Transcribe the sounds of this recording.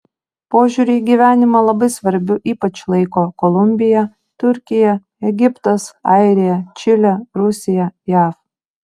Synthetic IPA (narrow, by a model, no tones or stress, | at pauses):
poːʒʲuːɾʲɛɡʲiːʋʲæːnʲɪmɐlˠɐbɐɪsʋɐɾʲbʲʊʔiːpɐt͡ʃlˠɐɪkoːkɔlˠʊmʲbʲɪjɛ | t̪ʊɾʲkʲɪjɛ | ɛɡʲɪpt̪ɐsɑɪɾʲɪjɛt͡ʃʲɪlʲɛɾʊsʲɪjɛjæːf